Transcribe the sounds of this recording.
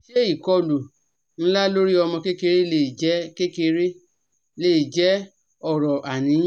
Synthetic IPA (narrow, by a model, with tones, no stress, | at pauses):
ʃe˦i˦˨kɔ˧lu˨ | ñ̩˦la˦lo˦ɾi˦ɔ˧mɔ̃˧ke˦ke˧ɾe˦le˦˨d͡ʒɛ˨˦ke˦ke˧ɾe˦ | le˦˨i˨d͡ʒɛ˨˦ | ɔ˦˨ɾɔ˨ʔa˨nĩ˨˦